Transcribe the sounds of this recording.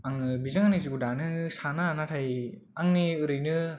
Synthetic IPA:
aŋɯbizaŋaniziɡudanɯsananatʰaj | aŋniɯɾɯjnɯ

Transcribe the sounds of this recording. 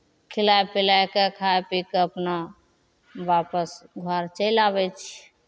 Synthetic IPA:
kʰilajpilajkekʰaepikeəpna | ʋapəsɡʱaɾt͡ʃəlabɛt͡ʃʰ

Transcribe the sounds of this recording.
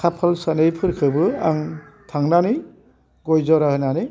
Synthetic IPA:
kʰapʰalsanɯjpʰɯɾkʰɯbɯa̰ŋ | tʰaŋnanɯ | ɡɔjzɔɾahɯjnanɯ

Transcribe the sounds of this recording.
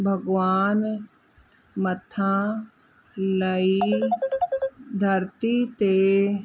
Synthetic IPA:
bʱɐɡʋaːn | mət̪ʰã | ləi | d̪ʱɐɾt̪it̪e

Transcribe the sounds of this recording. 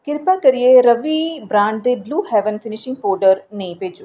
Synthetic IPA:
kɪɾpakəɾieːɾəʋiːbɾãːɳɖ̚d̪eːbluːhɛːʋənfʰɪnɪʃɪ̃ŋɡpɔːɾɖəɾnə̃ĩpeːd͡ʒu

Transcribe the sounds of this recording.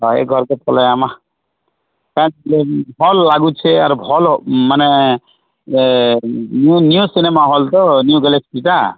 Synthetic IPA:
ɔḛɡʱɔɾkepʰɔlajama | kanleɦɔlːaɡut͡ʃʰeaɾubʱɔlmane | nnijusinemaɦɔlt̪ɔnjuɡɛleskita

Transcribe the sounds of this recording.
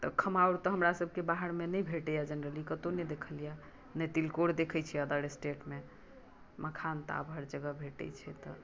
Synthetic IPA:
t̪ɔkʰəmauɾt̪ɔɦəmɾasəbʱkebaɦəɽmenɛjbʱeʈɛjad͡ʒənɾəlikət̪onɛd̪ekʰəlija | net̪ilkoɽd̪ekʰɛt͡ʃʰɛəd̪əɾesʈeʈme | məkʰant̪a̰bʱəɾd͡ʒəɡəbʱeʈɛ̰jt͡ʃʰɛt̪ɔ

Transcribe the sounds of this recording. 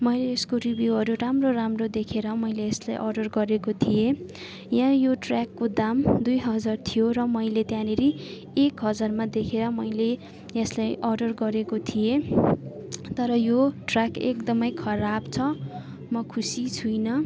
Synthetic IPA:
mʌjleeskoribjuɦʌɾuramroramrod̪ekʰeɾʌmʌjleːslajʔʌrɖʌrɡʌɾekot̪ʰije | jãjoʈrakːod̪amd̪ujɦʌd͡zart̪ʰijoɾʌmʌjlet̪jãneɾi | ekɦʌd͡zarmad̪ekʰeɾʌmʌjle | eslajʔʌrɖʌrɡʌɾekot̪ʰije | t̪ʌɾʌjoʈrakekd̪ʌmʌjkʰʌɾabt͡sʰʌ | mʌkʰusit͡sʰujnʌ

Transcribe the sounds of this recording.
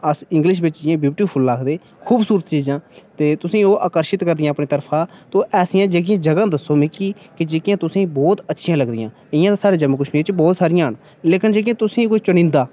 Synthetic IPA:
əsɪŋɡlɪʃbɪt͡ʃd͡ʒɪjãːbɪpʈiːpʰʊlːaːkʰd̪eː | kʰuːbsuːɾət̪t͡ʃiːd͡ʒãːt̪eːt̪ʊsĩːoːʔaːkəɾʃɪt̪kəɾd̪ɪjãːəpneːt̪əɾpʰãːt̪õːʔɛːsɪjãːd͡ʒeːk̬ɪjãːd͡ʒəɡãːd̪əsːoːmɪkiːkɪd͡ʒeːkɪjãːt̪ʊsĩːbɔːt̪ətːʃʰɪjãːləɡd̪ɪjãː | ɪjãːt̪aːsaːɽeːd͡ʒəməkʊʃmiːt͡ʃbɔːt̪saːɾɪjãːɦəɳ | leːkɪnd͡ʒeːk̬ɪjãːt̪ʊsĩːkoːit͡ʃʊnɪ̃ːnd̪aː

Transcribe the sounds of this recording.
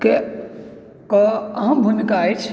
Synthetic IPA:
ke | kɔəɦə̃bʱunkajt͡ʃʰ

